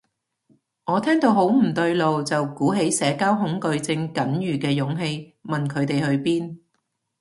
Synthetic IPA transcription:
ŋɔː˨˧t̪ʰɛː˥ŋt̪o˧wɦo˨˥wm̩˨˩t̪ɵ˧ɥlo˨wt͡sɐ˨wkuː˨˥ɦe˨˥jsɛː˨˧kaː˥wɦʊ˨˥ŋkɵ˧ɥt͡sɪ˧ŋkɐ˨˥njyː˨˩kɛː˧jʊ˨˥ŋɦe˧j | mɐ˨nkʰɵ˨˧ɥt̪e˨jhɵ˧ɥpiː˥n

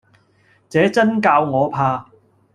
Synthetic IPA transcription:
t͡sɛː˨˥t͡sɐ˥nkaː˧wŋɔː˨˧pʰaː˧

